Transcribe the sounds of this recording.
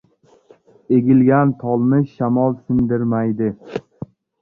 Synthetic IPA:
eɡʲɪlɡʲant̪ʰɒlˠnɪʃamɒlˠsɪnd̪ɪɾmajd̪ɪ

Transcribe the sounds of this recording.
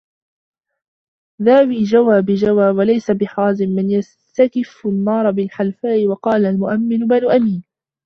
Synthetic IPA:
ðaːwiːd͡ʒawaːbɪd͡ʒawaːwalajsabɪħaːzɪmːɪnjas | t̪akɪfʊnːɑːɾˤɑbɪlħalfaːʔɪwɑqɑːlalmʊʔamːɪnʊbanʔamiːn

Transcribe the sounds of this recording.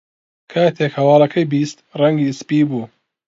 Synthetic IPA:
kʰaːt̪ʰekhɐwɑːlˠɐkʰɐjbist̪rɐŋɡiːspibuː

